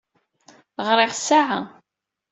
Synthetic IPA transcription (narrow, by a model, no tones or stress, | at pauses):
ʁɾɪχsaʕa̰